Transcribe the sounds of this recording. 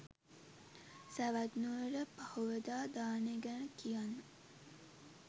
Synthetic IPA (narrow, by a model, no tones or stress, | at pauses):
sæʋæd̪nuəɾəpahuʋəd̪aːd̪aːneɡænəkijanːə